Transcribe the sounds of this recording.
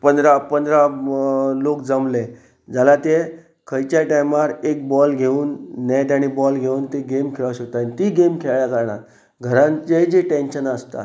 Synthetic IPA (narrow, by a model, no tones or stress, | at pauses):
pənd̪ɾapənd̪ɾa | lokd͡zəmle | d͡zalat̪e | kʰəjt͡ɕjaʈajmaɾek̚bɔlɡʱeuːnːɛʈ̪aɽ̃ibɔlɡʱeuːnt̪eɡemkʰeɭaʋɕək̚t̪anit̪iɡemkʰeɭjakəɾɳa̰t̪ | ɡʱəɾãɲt͡ɕed͡ʑeʈẽnɕənəst̪a̰